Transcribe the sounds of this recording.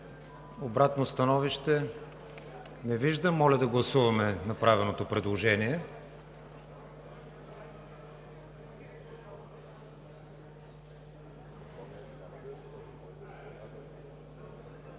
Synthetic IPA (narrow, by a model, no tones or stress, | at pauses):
obɾat̪nost̪ɐnɔviʃt̪ɛ | nɛviʒd̪əmːɔlʲɐd̪ɐɡlˠɐsuvɐmɛnɐpɾavɛnot̪opɾɛd̪lˠoʒɛniɛ